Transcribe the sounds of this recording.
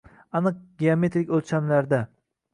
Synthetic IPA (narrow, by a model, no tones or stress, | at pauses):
anɨq̚ɡʲeome̞t̪ɾɪkʲolt͡ʃʰamlaɾd̪a